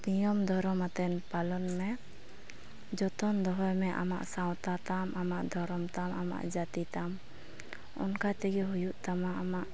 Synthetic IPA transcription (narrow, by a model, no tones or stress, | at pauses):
t̪ijɔmd̪ʱɔɾɔmat̪ɛnpalɔnmɛ | d͡ʒɔt̪ɔnd̪ɔɦɔjmɛʔa̰ma̰ʔsaw̃t̪at̪amʔamaʔd̪ʱɔɾɔmt̪amama̰ʔd͡ʒat̪it̪am | ɔ̰nkat̪ɛɡɛɦujuʔt̪amaʔamaʔ